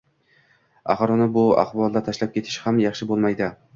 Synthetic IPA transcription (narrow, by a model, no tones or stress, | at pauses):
a̰χɾɒnɪbʊa̰χbɒlˠd̪at̪ʰaʃlap̚kʲe̞t̪ʰɪ̥ʃhamjɑχʃɪbolˠmajd̪ɪ